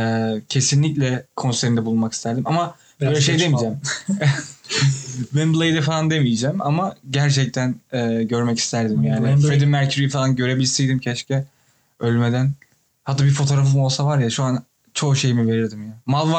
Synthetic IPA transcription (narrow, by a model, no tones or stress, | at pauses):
ɛcʰe̞sinlʲiclʲɛkʰo̞nseɾind̪ɛbulˠunmaki̥st̪ʰæɾd̪imama | bøjlʲɛʃ̬ejd̪e̞mid͡ʒæm | bɛnblˠejd̪ɛfalˠand̪e̞mijd͡ʒæːma̰maɟæɾt͡ʃʰɛc̚t̪ʰænɛːɟø̞ɾmɛci̥st̪ʰæɾd̪imjaːnɪfɾed̪imːæɾcʰyɾifalˠanɟø̞ɾe̞bilʲsijd̪imcʰɛʃcʰɛ | ølʲmed̪æn | hat̪ːabiɾfo̞t̪ʰo̞ɾafɯmo̞lˠsavaɾjaʃuan | t͡ʃʰo̞ːʃe̞jimive̞ɾiɾd̪imjamalˠva